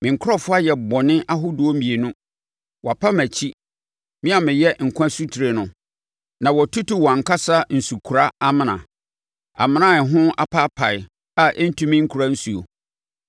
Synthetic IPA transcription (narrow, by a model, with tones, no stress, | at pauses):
mɪ̃˨ŋ̩˨kʰʊ˦ɔ˦fʊ˦a˦jɛ˨bɔ˨nɪ̃˦ʔa˦ɦʊ˦du˨o˦mĩ˨e˨nʊ̃˦ | wʔɔ˨a˨pʰa˦mæ˨t͡ɕʰi˦ | mɪ̃˦a˨mɪ̃˨jɛ˦ŋ̩˨kʰʷã˦su˦tʰi˨ɾe˨nʊ̃˨ | nã˨wɔ˨tʰu˦tu˦wɔ̃˨ŋ̩˨ka˦sa˦n̩˨su˨kʰu˨ɾa˦a˦mɪ̃˨nã̰˨ | a̰˨mɪ̃˦nã˦˨ɦʊ̃˦a˦pʰa˦pʰa˨ɪ˨ | a˦ʔɛ˦n̩˦tʰũ˦mɪ̃˦ŋ̩˦kʰu˨ɾa˦n̩˦su˨o̰˨